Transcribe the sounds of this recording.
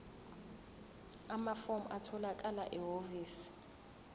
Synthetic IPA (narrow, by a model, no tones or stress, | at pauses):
amafomʔatʰɔlakʼalaʔɛɦoviːs